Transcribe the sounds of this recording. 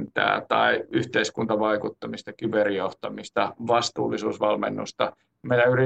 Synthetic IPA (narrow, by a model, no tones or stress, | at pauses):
nt̪æ̰ːt̪ɑ̰iyht̪eiskunt̪ɑʋɑikut̪ːɑmist̪ɑkyperijoht̪ɑmist̪ɑʋɑst̪ṵːlːisuːsʋɑlmḛnːṵst̪ɑ | meinæyri